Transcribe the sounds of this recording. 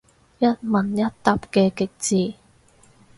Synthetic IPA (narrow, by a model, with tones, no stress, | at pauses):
jɐ˥t̚mɐ˨˩njɐ˥t̚t̪ɐ˨p̚kɛː˧kɪ˨k̚t͡siː˨˩